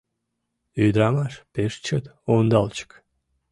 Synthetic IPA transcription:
yd̪əɾɑmɑʃpeʃt͡ɕət̪ond̪ɑlt͡ɕə̥k

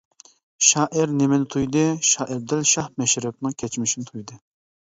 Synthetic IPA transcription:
ʃɑːʔɪɾnemɪnɪt̪ʰujd̪ɨʃɑːʔɪɾd̪ɪlʃɑhmɛʃɾɛp̚nɨŋkʲʰɛt͡ʃmɪʃinɪt̪ʰujd̪ɨ

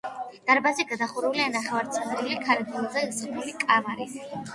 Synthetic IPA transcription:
d̪̥aɾbazɛɡad̪aχuɾulianaχɛvaɾt̪sʰʼɛd̪ɾilikʰaɾɛd̪ilˠzɛisɾnulikʼamaɾi

